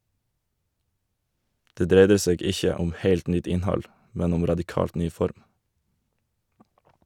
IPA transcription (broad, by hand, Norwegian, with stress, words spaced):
ˈdeː ˈdɾeɪdə ˈseːɡ ˈɪçə ˈʊm ˈheɪlt ˈnʏt ˈɪnˌhɑl ˈmɛn ˈʊm ɾɑdɪˈkɑːlt ˈnyː ˈfɔɾm